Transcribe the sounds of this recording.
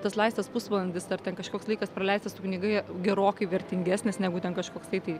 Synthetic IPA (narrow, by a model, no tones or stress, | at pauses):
t̪ɐslˠɐɪst̪ʲɐspʊsʋɐlˠɐnʲd̪ʲɪsɐrt̪ʲɛnkɐʃkoːkslˠɐɪkɐspɾɐlʲɛɪsʲt̪ʲɪsʊknʲiːɡɐɪɡʲɛɾoːkɐɪʋʲɛɾʲt̪ʲɪŋʲɡʲæːsʲnʲɪsnʲæːɡʊt̪ʲɛnkɐʃkoːkst̪ɐɪt̪ɐɪ